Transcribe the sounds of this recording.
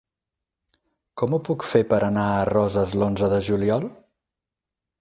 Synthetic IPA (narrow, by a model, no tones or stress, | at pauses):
kɔmupukfepəɾənaərɔzəzlonzəðəʒuliɔlˠ